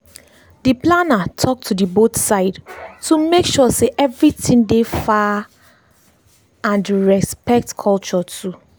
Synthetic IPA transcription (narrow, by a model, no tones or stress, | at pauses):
diplanatʰɔk̚tʰudibotsaɪdtʰumekʃɔseʔɛvɹitĩŋdefa | ãnɹɛspɛk̚tkʰɔlt͡ʃɔtʰu